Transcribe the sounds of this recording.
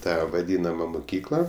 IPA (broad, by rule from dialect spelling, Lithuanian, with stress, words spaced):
ˈtɑː ʋɐˈdʲiːnɐmɐ mʊˈkʲiːklˠɐ